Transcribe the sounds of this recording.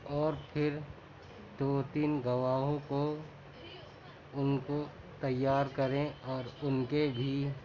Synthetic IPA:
ɔːɾpʰɪɾ | d̪oːt̪iːnɡɐʋaːɦõko | ʊnko | t̪ɐjːaːɾkɐɾẽɔːɾʊnkebʱi

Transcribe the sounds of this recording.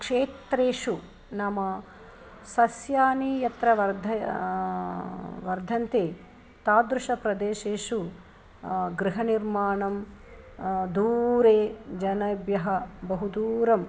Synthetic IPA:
kʂeːt̪ɾeːʂu | nɐmɐ | sɐsjaːnijɐt̪ɾɐʋɐɾd̪ʱɐ | ʋɐɾd̪ʱɐnt̪eː | t̪aːd̪ɾuʂɐpɾɐd̪eːʃeːʂu | ɡɾɪɦɐniɾmaːɳɐm | d̪uːɾeːd͡ʒɐnɐbjɐɦɐbɐɦud̪uːɾɐm

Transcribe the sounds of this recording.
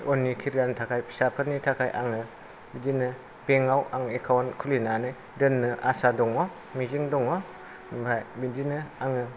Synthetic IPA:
ɔnːikʰiɾɡantʰakʰajʰsapʰɯɾnitʰakʰajʔa̰ŋɯ | bidinɯ | beŋawʔaŋekʰawankʰulinanɯj | dɯnːɯʔasadɔŋɔ | miziŋdɔŋɔ | bɾajbidinɯaŋɯ

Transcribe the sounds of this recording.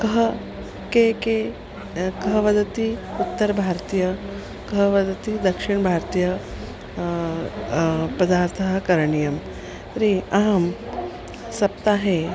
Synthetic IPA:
kɐɦɐ | keke | kɐɦɐʋɐd̪ɐt̪iut̪ːɐɾbʱaːɾt̪ijɐ | kɐɦɐʋɐd̪ɐt̪id̪ɐkʂiɳbʱaːɾt̪ijɐ | pɐd̪aːɾt̪ʰɐɦɐkɐɾɐɳijɐm | ɾiɐɦɐm | sɐp̚t̪aːɦe

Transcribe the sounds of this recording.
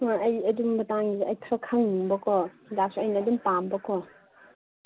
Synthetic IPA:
ŋaɐjɐdumbɐtaŋɡiɐjkʰɾɔkʰaŋnuŋbɐkʰɔdak̚suɐjnɐːdumpambɐkʰɔ

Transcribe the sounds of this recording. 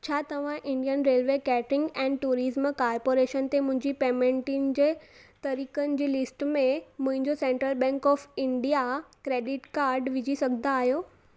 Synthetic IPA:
t͡ɕʰaːt̪ɐʋ̤ãʔɪ̃ɳɖijənɾeːlʋekɛːʈɪ̃ŋɡɛ̃ːnʈuːɾɪzmkaːɾpoːɾeːʃənt̪emʊ̃ɦɪ̃ɲd͡ʑipeːmẽɳʈiːnd͡ʑeːt̪ɐɾiːkənɪ̆d͡ʑiːlɪsʈmẽmʊ̃ɦɪ̃ɲd͡ʑosẽːɳʈɾəlbɛ̃ːŋkɔːfɪ̃ɳɖijakɾeːɖɪʈkaːɾɖʋɪd͡ʑʱisɐɡʱənaːɦijoː

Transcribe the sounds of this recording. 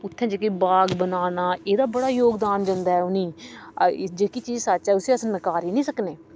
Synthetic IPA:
ʊt̪ʰːẽːd͡ʒeːkiːbaːɡbənaːnaːʔeːd̪aːbəɽaːjoːɡd̪aːnd͡ʒãːnd̪aːɛːʊnĩː | d͡ʒeːkiːt͡ʃiːzsatːt͡ʃɛːʊsiːəsnəkaːɾiːnĩːsəkneː

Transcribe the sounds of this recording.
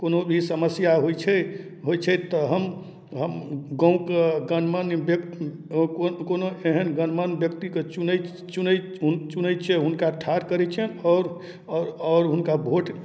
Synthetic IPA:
konobʱisəməsjaɦojt͡ʃʰɛɦojt͡ʃʰɛt̪ɔɦəm | ɦəmɡə̃ũkeɡənmənbk | kokonoeɦənɡənmənbjəkt̪iket͡ʃun | t͡ʃunɛ | t͡ʃunət͡ʃʰɛɦunkaʈʰaɾkəɾɛt͡ʃʰɛnɔʊɾ | ɔːɾɦunkabʱoʈ

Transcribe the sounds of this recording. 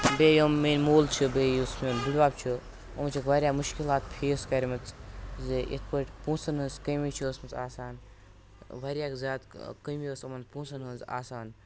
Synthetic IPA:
beːjomːeːnʲmoːlt͡ʃʰibeːjusmʲoːnbiɽʋaːbt͡ʃʰi | omɐt͡ʃʰɐkʋaɾʲjaːmuʃkilaːt̪̚pʰeːskɐɾʲimɐt͡szeʔḛt̪̚ʰpəʈʲpũːsɐnɦənzkɐjmit͡ʃʰiəsmɐt͡saːsaːn | ʋɐɾʲjaːkzʲaːd̪kəmiəsɐmɐnpũːnsɐnənza̰ːsaːn

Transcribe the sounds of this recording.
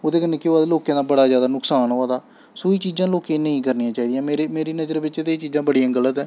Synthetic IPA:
oːd̪eːkənːeːkɪːaːd̪loːkãːd̪aːbəɽaːzjaːd̪aːnʊksaːnɦoːaːd̪aː | soːiːt͡ʃiːzãːloːkẽːnəĩːkəɾnijãːt͡ʃaːiːd̪ɪjãːmeːɾemeːɾiːnəd͡ʒəɾʋɪt͡ʃet̪eːt͡ʃiːzãːbəɽijãːɡələt̪ɦɛ̃ː

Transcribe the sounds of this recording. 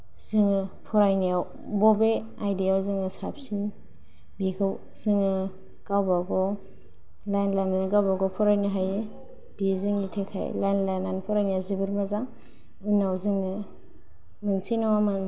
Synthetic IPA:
z̥iŋɯpʰɔɾajnijaw | bɔbe | ajdijawziŋɯsap̚si | bikʰɯw | z̥iŋɯ | ɡ̥awbaɡɔ | lajnlajnanɯɡawbaɡɔpʰɔɾajnɯɦaje | b̥iziŋnitʰekʰa̰j̰lajnlajnanpʰɔɾajnijawzibɯɾmazaŋ | ɯnawziŋɯ | mɯnsinawamɯn

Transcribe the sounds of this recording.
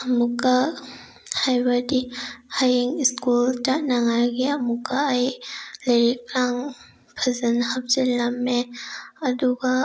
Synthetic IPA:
amukːa | hajbadihajiŋiskultanaŋaɾɡiamukaːjlɐɾik̚ɾaŋ | pʰazɐnhap̚zilamːeɐduɡa

